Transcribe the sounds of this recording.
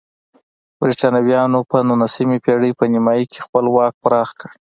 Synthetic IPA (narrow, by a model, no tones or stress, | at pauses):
bɾiʈɑnawjɑnopənunasimipeɽəpənɪmɑjikʰexpəlwɑk̚pɾɑxkəɽ